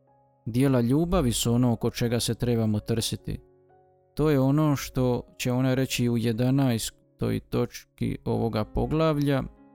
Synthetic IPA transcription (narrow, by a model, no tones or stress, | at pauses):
d̪je̞ːlaʎuːbaʋisuo̞no̞oko̞t͡ʃe̞ɡase̞t̪ɾe̞ːbamo̞t̪r̩sit̪ḭ | t̪o̞ːjeo̞no̞ːʃt̪o̞t͡ɕe̞o̞naɾe̞t͡ɕiuje̞d̪anajs | t̪o̞̰jt̪o̞t͡ʃkḭo̞̰ʋo̞ɡapo̞ɡlˠaʋʎa